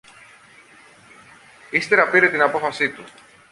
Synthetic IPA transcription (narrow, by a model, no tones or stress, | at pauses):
ist̪eɾɐpiɾe̞t̪inɐpo̞fɐsit̪u